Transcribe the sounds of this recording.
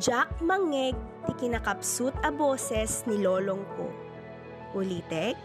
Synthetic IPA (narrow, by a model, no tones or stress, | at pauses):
d͡ʒak̚mɐŋɛɡ̚t̪ɪkɪnɐkɐpsut̪ɐboːsɛsniloːloŋko̰ | ʔʊliːt̪ɛk̚